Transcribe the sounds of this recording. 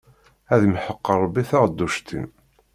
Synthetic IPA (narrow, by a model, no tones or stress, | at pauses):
æðmħəqːəɾˤːbːiθaʁd̪ːuʃt̪ʰḭn